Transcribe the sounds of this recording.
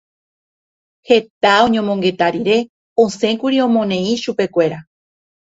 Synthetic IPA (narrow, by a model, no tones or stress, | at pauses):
he̞t̪aõ̞ɲõmõ̞ŋɡe̞t̪aɾiɾe̞ | õsẽ̞kuɾiõ̞mõ̞nẽ̞ĩʃupe̞kʷe̞ɾa